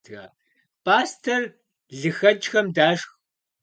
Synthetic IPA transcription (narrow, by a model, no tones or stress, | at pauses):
ɣa̰ː | pʼaːstʰɐr | ɮɨxɐd͡ʒxɐmdaːʂx